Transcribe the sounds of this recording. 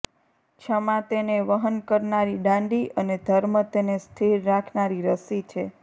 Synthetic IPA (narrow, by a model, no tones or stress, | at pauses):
t͡ʃʰəmãt̪eneʋəɦənkəɾnaɾiɖãɳɖiʔəned̪ʱəɾmət̪enest̪ʰiɾːakʰnaɾiɾəsit͡ʃʰe